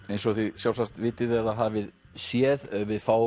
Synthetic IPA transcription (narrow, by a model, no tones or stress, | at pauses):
ejnsɔθiðsjawlsast̪vɪːt̪ɪðɛðaðɦaːvɪð | sjɛːðœvɪðfaːw